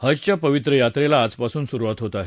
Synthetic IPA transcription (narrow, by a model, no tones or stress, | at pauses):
həd͡zt͡ɕjapəʋit̪ɾəjat̪ɾelaːd͡zpasuːnsuɾuʋat̪ɦot̪aɦe